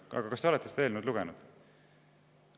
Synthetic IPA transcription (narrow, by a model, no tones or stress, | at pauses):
ɑ̰ɡ̥ɑkɑst̪eolet̪ːˑest̪eeːlnud̪luɡ̥enud̪̥